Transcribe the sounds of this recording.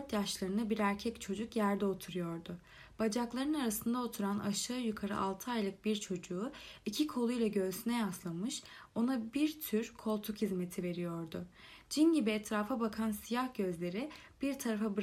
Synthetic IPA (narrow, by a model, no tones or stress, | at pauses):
t̪jaʃlˠaɾɯnabiɾæɾcʰɛct͡ʃʰo̞d͡ʒukjæɾd̪ɛot̪ʰuɾujo̞ɾd̪ʊ | b̥ad͡ʒaklˠaɾɯnaɾasɯnd̪ao̞t̪ʰuɾana̰ʃɯːjukʰaɾɯ̰ʔalˠt̪ʰɯajlˠɯk̚biɾt͡ʃʰo̞d͡ʒuːicʰikʰo̞lˠujlˠaɟøzsynɛjaslˠamɯʃ | o̞nabiɾt̪ʰyɾkʰo̞lˠt̪ʰukhizme̞t̪ʰive̞ɾijo̞ɾd̪ʊ | d͡ʒinɟibiɛt̪ɾaːfabakʰansijahɟø̞zlʲe̞ɾɪ | b̥iɾt̪ʰaɾafabɯɾ